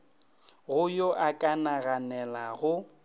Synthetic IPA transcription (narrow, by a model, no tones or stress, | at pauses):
ɣʊjoʔakʼanaɣanɛlaɣʊ